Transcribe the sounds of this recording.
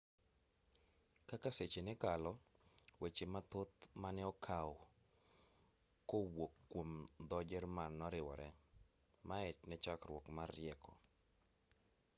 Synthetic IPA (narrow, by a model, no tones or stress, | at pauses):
kakaset͡ʃenɪkalɔwet͡ʃemat̪ʊt̪manɛɔkʰaw | kowokːwomd̪ɔd͡ʒɛrmanːɔɾɪwɔ̰ɾɛ | maɛtnɛt͡ʃakɾwɔkmarːjɛkɔ̰